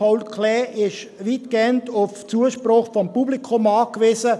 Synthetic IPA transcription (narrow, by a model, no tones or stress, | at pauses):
aʊlkʰlɛːʔɪʃʋiːtɡ̥eəntʊft͡suəʃprʊχfɔmpublikʰomɑːkvɪsə